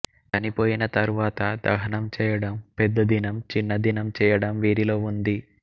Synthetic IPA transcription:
kɐnipo̞ːjinɐt̪ɐɾuʋaːt̪ɐd̪ɐ̰ɦɐnɐmt͡ʃɛːjɐɽɐmpɛd̪ːɐd̪inɐmt͡ʃinːɐd̪inɐmt͡ʃɛːjɐɽɐmʋiːɾilo̞ːund̪i

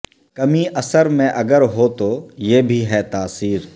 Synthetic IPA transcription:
kɐmiʔɐsəɾmẽʔɐɡəɾɦot̪ojeːbʱiɦɛt̪aːsiːɾ

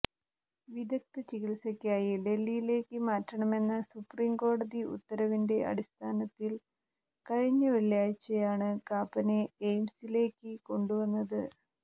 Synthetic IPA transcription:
ʋid̪ɐk̚t̪ɨt͡ɕiɣilsɐkʲːaːjile̞lːijile̞ːkːɨmaːtrɐɳɐme̞nːɐsupriːmko̞ːɽɐðiṵt̪ːɐɾɐʋinde̞ɐ̰ɽist̪ʰaːnɐt̪ːil | kɐɻiɲːɨʋeɭjaːjt͡ɕːɐjaːɳɨkaːpːɐneejmsile̞ːkːɨko̞ɳɖuʋɐnːɐðɨ

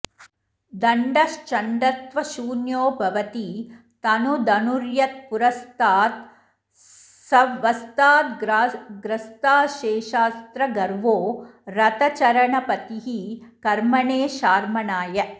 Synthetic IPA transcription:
d̪ɐɳɖɐʃt͡ʃɐɳɖɐt̪ʋɐʃuːnjoːbʱɐʋɐt̪i | t̪ɐnud̪ɐnuɾjɐt̪̚puɾɐst̪aːt̪ | sɐʋɐst̪aːt̪ɡɾɡɾɐst̪aːʃeːʃaːst̪ɾɐɡɐɾʋoːɾɐt̪ɐt͡ʃɐɾɐɳɐpɐt̪iɦikɐɾmɐɳeːʃaːɾmɐɳaːjɐ

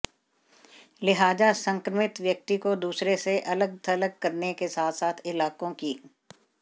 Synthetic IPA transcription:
lɪɦaːd͡ʒasɐ̃ŋkɾəmɪt̪ʋjɐk̚t̪ikod̪uːsɾeseʔɐləɡ̚t̪ʰɐləɡ̚kːɐɾnekesaːt̪ʰsaːt̪ʰɪlaːkõkiː

